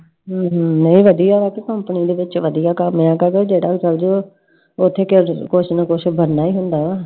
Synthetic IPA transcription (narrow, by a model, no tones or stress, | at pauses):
ɦːɦnəĩːʋəd̪ijaːbaːkɪkəmpəniːd̪eːʋɪt͡ʃʋəd̪ijaːkəmjãːkəɾeːd͡ʒeːɽaːt͡ʃəld͡ʒoː | ʊt̪ʰːeːkɪɾkʊt͡ʃʰnəkʊt͡ʃʰbənːaːiːɦʊnd̪aːaː